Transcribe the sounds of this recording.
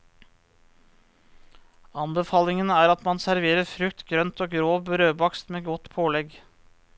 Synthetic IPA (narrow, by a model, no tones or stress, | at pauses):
ɑnbəfɑːlɪŋənæːɾɑt̪mɑnsæɾʋeːɾəɾfɾʉkt̪ɡɾœnt̪oːɡɾoːbɾøːbɑkst̪meːɡɔt̪pʰoːlɛɡ